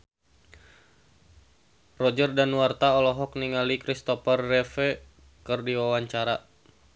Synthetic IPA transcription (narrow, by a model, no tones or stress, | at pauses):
rɔd͡ʒərdanwart̪aɔlɔɦɔkniŋalikɾist̪ɔfərːɛfɛ | kɨrdiwawaɲt͡ʃaɾa